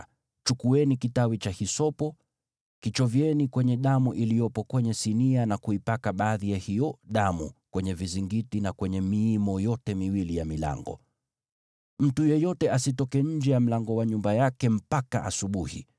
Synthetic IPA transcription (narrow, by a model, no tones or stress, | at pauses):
t͡ʃukuɛnikitawit͡ʃahisɔpɔ | kit͡ʃɔvjɛnikwɛɲɛɗamuʔilijɔpɔkwɛɲɛsinianakuipakaɓaːðijahijɔɗamṵkwɛɲɛviziŋɡitinakwɛɲɛmiːmɔjɔtɛmiwilijamila̰ŋɡɔ̰ | m̩tujɛjɔtɛasitɔkɛɲ̩d͡ʒɛjam̩laŋɡɔwaɲumbajakɛm̩paka̰ʔa̰suɓuhḭ